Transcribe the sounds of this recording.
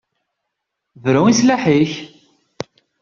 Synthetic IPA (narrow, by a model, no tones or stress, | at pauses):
vɾʊŋislaħiç